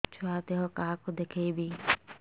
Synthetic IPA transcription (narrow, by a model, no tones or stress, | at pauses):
t͡ʃʰʊaːt̪eɦokaakod̪ekʰebʱiː